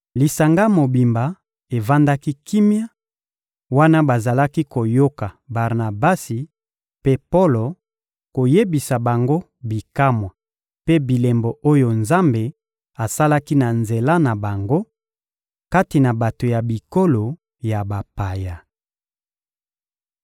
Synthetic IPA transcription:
li˨sa˨ŋɡa˦mo˨bi˨mba˨ | e˨va˦nda˦ki˦ki˦mja˦ | wa˦na˦ba˨za˨la˦ki˦ko˨jo˦ka˨ba˨ʁna˨ba˦si˨ | pe˦po˦lo˨ | ko˨je˦bi˨sa˨ba˨ŋɡo˦ | bi˨ka˦mwa˨ | pe˦bi˨le˨mbo˨ʔo˦jo˨nza˦mbe˨ | a˨sa˦la˦ki˦na˨nze˨la˦na˨ba˨ŋɡo˦ | ka˦ti˨na˨ba˨to˨ja˨bi˨ko˦lo˨ | ja˨ba˨pa˨ja˨

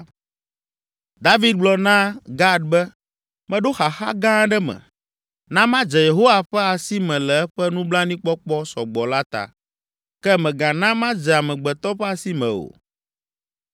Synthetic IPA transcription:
d̪a˦vi˦d̪̚ɡ͡blɔ˨nã˦ɡa˦d̪̚bɛ˦ | mɛ̃˦ɖo˦xa˨xa̰˦ɡã˦ɖɛ˦mɛ̰̃˨ | nã˦mã˦d͡ʒɛ˨je˨ɦo˦wa˨ɸɛ˦a˨si˦mɛ̃˨lɛ˨ɛ˦ɸɛ˦nũ˦blã˦nĩ˦k͡pɔ˦k͡pɔ˦sɔ̰˨ɡ͡bɔ˨la˦t̪a̰˨ | kɛ˦mɛ̃˨ɡã˨nã˦mã˦d͡ʒɛ˨a˨mɛ̃˨ɡ͡bɛ˨t̪ɔ˦ɸɛ˦a˨si˦mɛ̰̃˨o̰˨

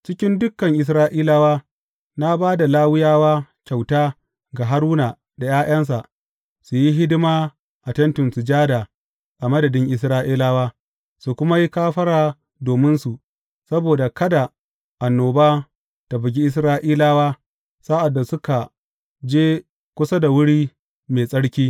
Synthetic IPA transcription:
t͡ʃɪ˦kʲɪ˦ndʊ˦kːɐ˨ŋʔɪ˨s̬ɾaː˦ʔiː˦laː˦waː˦ | na˦baː˦da˨laː˦wɪ˦jaː˦waː˦kʲa˨wtaː˦ | ɡa˨ɦa˦ɾuː˦na˨ | da˨jaː˦j̰ɐ˦ns̬a˨ʔ | su˨ji˦ɦɪ˦dɪ˦maː˦ | ʔa˨tɐ˦ntʊ˨nsu˨d͡ʒaː˦da˨ | ʔa˨mɐ˦dɐ˨dɪ˦ŋʔɪ˨s̬ɾaː˦ʔiː˦laː˦waː˦ | su˨kʷʊ˦ma˦ji˦kaː˦ɸɐ˦ɽaː˨ | doː˨mɪ˦nsu˨ʔ | sɐ˦boː˨da˨kɐ˦da˨ | ʔa˨nːoː˨baː˦ | ta˨bɪ˨ɡʲi˦ʔɪ˦s̬ɾaː˦ʔiː˦laː˦waː˦ | saː˦ʔa˨dːa˨sʊ˦ka˨ | d͡ʒeː˦ | kʷʊ˦sa˦da˨wʊ˦ɽiː˦ | meː˨sʼɐ˦ɽkʲiː˦

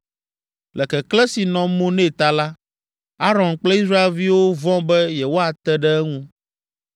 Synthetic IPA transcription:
lɛ˨kɛ˨klɛ˦si˨nɔ̃˨mõ˦nẽ˦˨t̪a˨la˦ | a˦ɾɔ̃˨nk͡plɛ˦i˦sɾa˦e˨lvi˦wo˦vɔ̃˦bɛ˦jɛ˨wo˦a˨t̪ɛ˦ɖɛ˦ɛ˦ŋũ˦

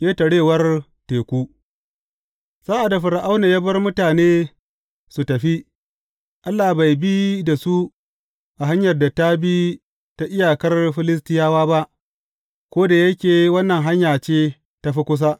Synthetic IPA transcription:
jeː˦tɐ˨ɽeː˦˨wɐ˦r | teː˨kʷuː˦ | saː˦ʔa˨da˨ɸɪ˨ɾa˨ʔa˦wna˨jɐ˦bɐ˦rmʊ˦taː˨neː˦ | su˨tɐ˨ɸi˦ | ʔa˦lːaː˨ba˨jbi˦da˨su˦ | ʔa˨ɦa˦ɲjɐ˨rda˨ta˦bi˦ | ta˦ʔɪ˦jaː˨kɐ˦rɸɪ˦lɪ˦s̬tɪ˦jaː˦waː˦ba˦ʔ | kʷoː˦da˨jɐ˦kʲeː˨wɐ˦nːɐ˨ŋɦa˦ɲjaː˨t͡ʃeː˦ | ta˦ɸi˦kʷʊ˦s̬aː˦

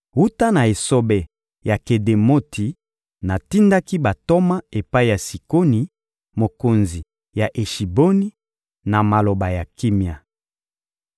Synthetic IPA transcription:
wu˦ta˦na˨e˨so˦bɛ˨ | ja˨ke˨de˨mo˦tʰi˨ | na˨ti˦nda˦ki˦ba˨to˦ma˦e˨pa˦i˦ja˨si˨ko˦ni˨ | mo˨ko˨nzi˨ | ja˨ʔe˨ʃi˨bo˦ni˦ | na˨ma˨lo˨ba˨ja˨ki˦mja˨

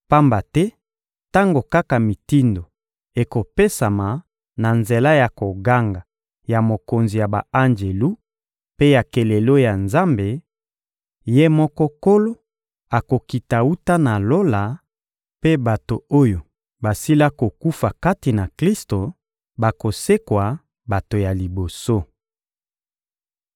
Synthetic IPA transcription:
pa˦mba˨tɛ˦ | ta˦ŋɡo˨ka˦ka˨mi˨ti˦ndo˨ | e˨ko˨pe˦sa˨ma˨ | na˨nze˨la˦ja˨ko˨ɡa˦ŋɡa˨ | ja˨mo˨ko˨nzi˨ja˨ba̰˨a˦nd͡ʒe˨lu˦ | pe˦ja˨ke˨le˨lo˦ja˨nza˦mbe˨ | je˦mɔ˦kɔ˦ko˦lo˦ | a˨ko˨ki˨ta˨u˦ta˦na˨lo˦la˨ | pe˦ba˨to˨o˦jo˨ | ba˨si˦la˦ko˨ku˦fa˨ka˦ti˨na˨kli˦sto˨ | ba˨ko˨se˦kwa˨ | ba˨to˨ja˨li˨bo˨so˦

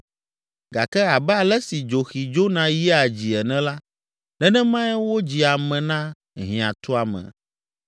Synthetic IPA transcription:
ɡa˨kɛ˦a˨bɛ˦a˨lɛ˦si˨d͡ʒo˨xi˨d͡ʒo˦nã˦ji˦a˨d͡ʑi˨ɛ˨nɛ̃˦la˦ | nɛ̃˦nɛ̃˦mã˦ɛ˦wo˦d͡ʑi˨a˨mɛ̃˨nã˦ | ɦĩ˨ã̰˨t̪ɔ˦a˨mɛ̰̃˨

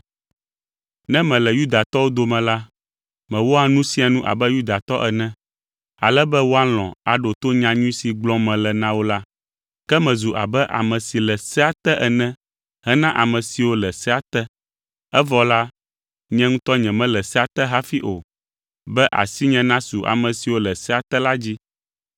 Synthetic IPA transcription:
nɛ̃˦mɛ̃˨lɛ˨ju˦d̪a˨t̪ɔ˦wo˦d̪o˨mɛ̃˨la˦ | mɛ̃˨wo˦a˨nũ˦sĩ˦a˨nũ˦ʔa̰˨bɛ˦ju˦d̪a˨t̪ɔ˦ʔɛ˨nɛ̃˦ | a̰˨lɛ˦bɛ˦wo˦a˦l̃ɔ̰̃˨a˨ɖo˨t̪o˦ɲã˨ɲũ˦si˨ɡ͡blɔ̃˦mɛ̃˨lɛ˨nã˦wo˦la˦ | kɛ˦mɛ̃˨zu˨ʔa̰˨bɛ˦ʔa̰˨mɛ̃˨si˨lɛ˨sɛ˦a˦t̪ɛ˦ʔɛ˨nɛ̃˦ | ɦɛ˦nã˦ʔa˨mɛ̃˨si˨wo˦lɛ˨sɛ˦a˨t̪ɛ˦ | ɛ˦vɔ˨la˦ | ɲɛ̃˦ŋũ˦t̪ɔ˦ɲɛ̃˨mɛ̃˦lɛ˨sɛ˦a˨t̪ɛ˦ɦa˦fi˦ʔo˨ | bɛ˦ʔa̰˨si˦ɲɛ̃˦nã˦su˨ʔa̰˨mɛ̃˨si˨wo˦lɛ˨sɛ˦a˨t̪ɛ˦la˦d͡ʑi˦

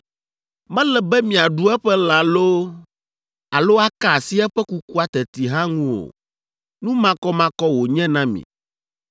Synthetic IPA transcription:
mɛ̃˦lɛ˨bɛ˦mĩ˨a˨ɖu˦ɛ˦ɸɛ˦la˨lo˦ | a˨lo˦a˦ka˨si˦ɛ˦ɸɛ˦ku˦ku˦a˦t̪ɛ˨t̪i˨ɦã˦ŋũ˦wo̰˨ | nũ˦mã˦kɔ˦mã˦kɔ˦wo˨ɲɛ̃˦nã˦mḭ̃˨

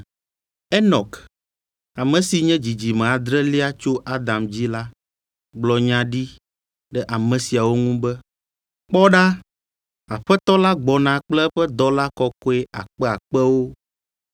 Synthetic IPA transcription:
ɛ˦nɔ̃˨k | a˨mɛ̃˨si˨ɲɛ̃˦d͡ʑi˨d͡ʑi˨mɛ̃˨a˨d̪ɾɛ˦li˦a˦t͡ʃo˦ʔa˦d̪ã˨md͡ʑi˦la˦ | ɡ͡blɔ˨ɲã˦ɖi˦ | ɖɛ˦ʔa˨mɛ̃˨si˨a˨wo˦ŋũ˦bɛ˦ | k͡pɔ˦ɖa˦ | a˨ɸɛ˦t̪ɔ˦la˦ɡ͡bɔ˨nã˨k͡plɛ˦ɸɛ˦d̪ɔ˦la˦kɔ˦kɔ˦e˦ʔa̰˨k͡pɛ˦a˨k͡pɛ˦wo˦

